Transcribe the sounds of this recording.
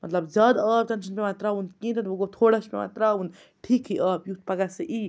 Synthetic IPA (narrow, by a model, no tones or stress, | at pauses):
mɐt̪lɐbd͡ʒɐd̪əːb̚t̪ɐnʃɐnpemaːt̪ɾaunkĩːnt̪ɐnoɡot̪ʰoːɽɐspema̰ːt̪ɾaun | ʈʰiːkɦiʔaːbjut̪̚ʰpɐɡaseʔiː